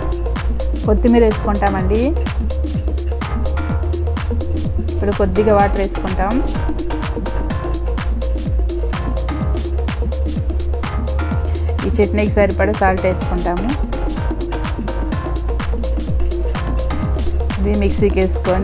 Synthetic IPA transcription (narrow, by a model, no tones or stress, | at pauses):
kod̪ːumiːɾe̞ːsu̥kuɳʈaːmɐɳɖi | ipːuɽukod̪ːiɡaʋaːʈɐɾe̞ːsu̥kuɳʈaːm | iːt͡ʃeʈnekisɐɾipɐɽusaːlʈeːsu̥kuɳʈaːmu | ɐd̪imiksiːkeːsu̥koːn